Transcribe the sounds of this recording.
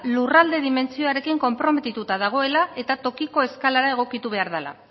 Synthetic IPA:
lurald̪e̞ðime̞nt͡sio̞aɾe̞kiŋko̞mpɾo̞me̞t̪it̪ut̪að̞aɣ̞o̞e̞lae̞t̪at̪o̞kiko̞e̞skalaɾae̞ɣ̞o̞kit̪uβ̞e̞aɾð̞ala̰

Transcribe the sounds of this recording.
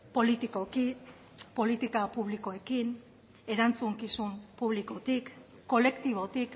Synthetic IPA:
po̞lit̪iko̞ki | po̞lit̪ikapuβ̞likoe̞kin | e̞ɾant͡suŋkisumpuβ̞liko̞t̪ikː | o̞le̞kt̪iβ̞o̞t̪ik

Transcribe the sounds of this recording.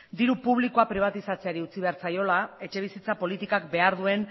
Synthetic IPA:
d̪iɾupuβ̞liko̞apɾiβ̞at̪isat͡seaɾiut͡siβe̞aɾt͡sajo̞lae̞t͡ʃe̞β̞isit͡sapo̞lit̪ikakbe̞aɾðue̞n

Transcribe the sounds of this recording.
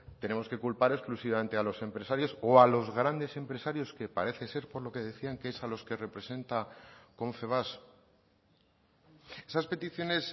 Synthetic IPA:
t̪e̞ne̞mo̞ske̞kulpaɾe̞sklusiβame̞nt̪e̞alo̞se̞mpɾe̞saɾjo̞soalo̞zɣɾand̪e̞se̞mpɾe̞saɾjo̞ske̞paɾe̞θe̞se̞ɾpo̞ɾlo̞keð̞e̞θiaŋkeesalo̞ske̞re̞pɾe̞se̞nt̪akõ̞ɱfe̞β̞as | e̞saspe̞t̪iθjo̞ne̞s

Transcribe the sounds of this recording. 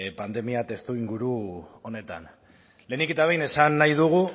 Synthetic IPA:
pand̪e̞miat̪e̞st̪uiŋɡuɾuone̞t̪a̰n | le̞niket̪aβejne̞sanːajðuɣ̞u

